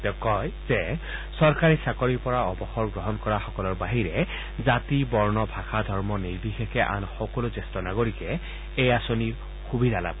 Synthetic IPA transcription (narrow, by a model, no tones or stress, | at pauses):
tɛkɔjzɛ | sɔɹkaɹisakɔɹiɹpɔɹaɔbɔxɔɹɡɹɔɦɔnkɔɹaxɔkɔlɔɹbaɦiɹɛ | zatibɔɹnɔbʱaxʰadʱɔɹmɔneɹbixekɛʔa̰nxɔkɔlozestɔnaɡoɹikɛ | ejasoniɹ | xubʱidala̰b̚